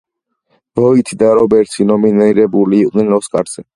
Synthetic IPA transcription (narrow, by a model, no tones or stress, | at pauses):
b̥ɔit̪ʰid̪aɾɔbɛɾt̪sʰinɔminiɾɛbuliːqʼnɛnɔskʼaɾz̥ɛ